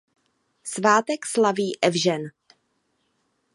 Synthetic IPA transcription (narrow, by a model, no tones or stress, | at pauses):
svaːt̪ɛkslaviːʔɛvʒɛn